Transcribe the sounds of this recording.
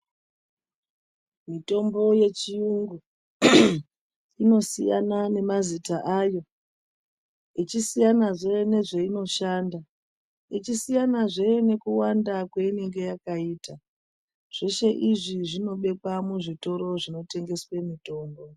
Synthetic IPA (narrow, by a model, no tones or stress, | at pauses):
mito̞mbo̞je̞t͡ʃijuŋɡu | ino̞sḭja̰nane̞mazitaʔajo̞ | it͡ʃisijanaʐene̞ʐe̞ino̞ʃaːnda | it͡ʃisijanaʐe̞ne̞kuwandakweine̞ŋɡe̞jakaiːta | ʐ̥eʃe̞ʔiʐiʐino̞ɓe̞kwamuʐito̞ɾo̞ʐino̞te̞ŋɡe̞swe̞mito̞ːmbo̞